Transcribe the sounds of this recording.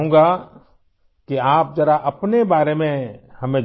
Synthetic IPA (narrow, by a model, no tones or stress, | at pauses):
ũːɡa | kiaːp̚d͡ʒɐɾaʔɐpnebaːɾemẽhɐmẽ